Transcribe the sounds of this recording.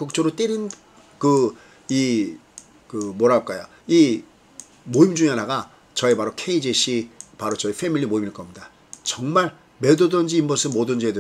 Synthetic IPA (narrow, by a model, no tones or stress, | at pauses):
kuk̚t͡ɕ͈oɾot͈eɾin | kɯ | i | kɯmoɾaɭk͈ajo | i | moimd͡ʑuŋeanaɡa | t͡ɕʌepaɾokʰeid͡ʑeɕ͈ʰipaɾot͡ɕʌifʰe̞milːimoimiɭk͈ʌmɲida | t͡ɕʌŋmaɭ | me̞dodʌnd͡ʑiːmbʌsʰɯnmodɯnd͡ʑedɯ